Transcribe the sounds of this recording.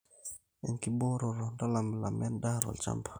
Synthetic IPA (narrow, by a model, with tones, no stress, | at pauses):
ɛ˨nki˨bo˦ɾo˨ɾo˨nda˦la˨m˨la˨mɛ˦nda˦ɾo̰˨lt͡ʃa̰˦mbḁ